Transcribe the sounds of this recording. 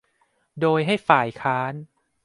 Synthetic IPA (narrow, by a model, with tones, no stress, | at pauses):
doː˧jɦa˥˩jfaː˨˩jkʰaː˦˥n